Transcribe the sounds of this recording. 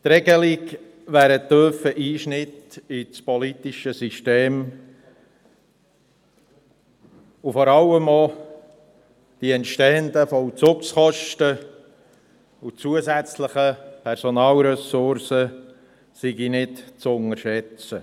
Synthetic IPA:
t̪ɾɛɡəlik | ʋæːɾətøːfəʔiːʃnɪtit͡spɔlitiʃəsiʃteːm | ufɔɾɑləmɔ | d̥iɛntʃteənd̪əfɔwt͡sʊksχɔʃtə | ut͡suəzæt͡sləχəpʰɛɾsɔnɑːlɾɛsʊɾsə | siɡinɪtt͡sʊnəɾʃɛt͡sə

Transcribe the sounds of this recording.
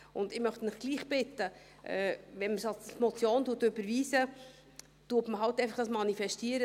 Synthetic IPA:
ʔʊndɪmœχtənɪχɡ̥liːχb̥ɪtːə | ʔɛːvɛnməsɑlsmɔt͡sjoːntuətːøbəɾviːsə | tuːətməɦɑltːɛɪfɑχd̥ɑsmɑnifɛʃtiːəɾə

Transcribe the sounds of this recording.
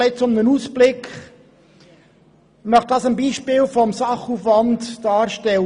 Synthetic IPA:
ɛt͡sʊmnənuːsb̥lɪk | nɑχtd̥ɑːsəmbiːʃpiːlfɔmsɑχuːfvɑndd̥ɑːɾʃtɛl

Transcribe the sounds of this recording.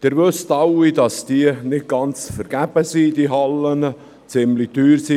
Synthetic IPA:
d̥ɪːɾʋɵstɑwidɑsd̥iənɪt̚ɡ̥ɑnt͡sfəɾɡ̥æb̥əsiːdiɦɑlːən | t͡sɪmlityːɾsi

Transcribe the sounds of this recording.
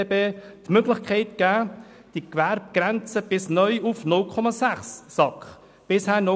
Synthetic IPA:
beːtmøɡlɪçkʰɛɪtɡ̥æː | d̥ikvæɾb̚ɡ̥ɾɛnt͡səb̥ɪsnœʏufnʊlkʰɔmɑsæχsːɑkχ | b̥ɪshæːnɔ

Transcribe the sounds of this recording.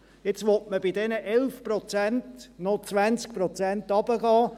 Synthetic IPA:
jet͡sʋɔtməbidɛnəʔɛlfprɔt͡sæntnɔt͡sʋænt͡sk̚prɔt͡sæntɑb̥əɡɑː

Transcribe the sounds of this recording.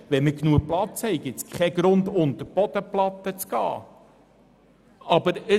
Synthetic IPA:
ʋɛməknuəplɑt͡shɛɪɡ̥ɪt̪t͡skχɛɡɾʊnd̪ʊnt̪əɾb̥ɔd̪̥əplɑt̪ːət͡sɡ̥ɑ̰ː | ɑbəɾə

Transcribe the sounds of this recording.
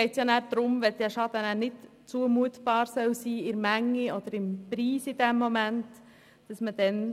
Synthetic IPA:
ɛɪtsjɑːnæːɾd̥̪ɾʊmʋɛd̥̪ɛʃɑd̪ənæːnɪt | t͡suəmuətb̥ɑːɾsœwsiːɪɾmæŋːiɔd̥̪əɾɪmpɾiːsid̥̪ɛmːɔmænt | d̥ɑsməd̥ɛn

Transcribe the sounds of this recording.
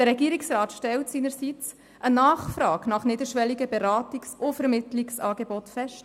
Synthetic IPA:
d̥əɾɛɡiːɾiksrɑːt̪ʃtɛltsiːnəɾsit͡s | ʔənɑːχfrɑːɡnɑχnɪdəɾʃʋɛliɡəbɛɾɑːtiksʊfəɾmɪtliksɑːɡebɔtfɛʃt

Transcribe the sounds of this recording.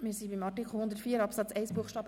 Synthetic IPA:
misibimɑʈːikʰχohʊnd̪ətfiːəɾɑpsæt͡sɛɪsb̥uəχʃtɑːbə

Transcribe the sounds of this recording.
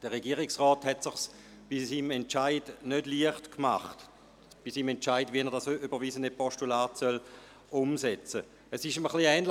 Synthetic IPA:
d̥əʁeɡiəʁɪksʁɔːthɛtsɪχs | b̥isiːmɛnt͡ʃaɪdnødliəχtkma̰χt | b̥isiːmɛntt͡ʃaɪdviɛnɛɐʁdasʔybəʁviːzəndəpɔʃtulaːtsœl | ʊmsɛt͡sə | əsɪʃməχliɛːnl

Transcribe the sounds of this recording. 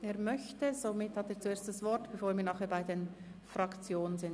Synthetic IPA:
eːɐmœçtəzomɪthɑteːt͡sueːɐstd̥asv̥ɔɾtb̥ɛfoːɾmiːnɑːχeːɐbaɪden | fʁɑkt͡sjoːnənzɪn

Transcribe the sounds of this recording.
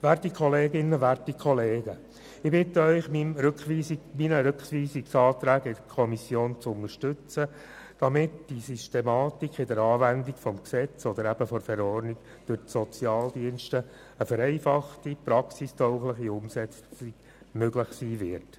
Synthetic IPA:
ʋærtikʰɔleːɡɪnːəʋærtikʰχɔleːɡ̥ə | ɪbɪtəœʏχminɾøkχʋiːsminəɾʏkχʋiːsiksɑːt̪ɾæːɡɪd̥̪əkʰɔmisjoːnt͡sʊŋəɾʃtʏt͡sə | d̥ɑmɪtd̥isystemɑːt̪ikʰɪd̪əɾɑːvændiɡfɔmksɛt͡sɔd̪əɾæb̥əfɔɾfɛɾɔrniɡ | d̥øɾsɔt͡sjɑːldiənʃtə | əfəɾɛɪfɑχtiprɑksistʰɔʊχləχiʊmsɛt͡siɡ̥ | møɡləχsiːvɪɾt

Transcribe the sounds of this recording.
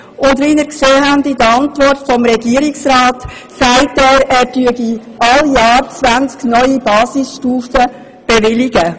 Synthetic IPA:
ʊndɾinəɾkseːɦændidəɑntvɔrtfɔmɾɛɡiːɾiksɾaːt | sæɪtɛːɾæːɾtyəɡiʔɑljɑːɾt͡sʋænt͡sknœʏibɑːsisʃtuːfə | b̥eʋɪliɡə

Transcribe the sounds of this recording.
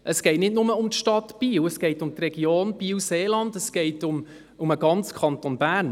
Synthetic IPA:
ʔəsɡ̥ɛɪtnɪtnʊməʊmt̪ʃtɑtb̥iːwəsɡ̥ɛɪtʊmt̪rɛɡjoːnb̥iːwseːlɑndəsɡ̥ɛɪtʊm | ʊməɡɑnt͡skʰɑntonbæːɾn

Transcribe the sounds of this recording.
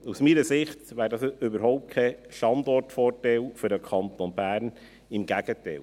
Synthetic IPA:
usmiːɾəsɪχtʋæːɾdɑsʏbəɾɦɔʊp̚t̚kʰɛʃtɑndɔrtfɔːrtɛlfʏɾdəkʰɑnt̪onbæːɾn | ɪmɡæɡ̥ətɛ̰l

